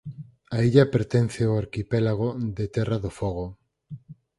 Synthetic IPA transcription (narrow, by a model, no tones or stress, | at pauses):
aiʎapeɾt̪ɛn̟θeoaɾkipɛlaɣ̞oðet̪ɛraðofɔɣ̞o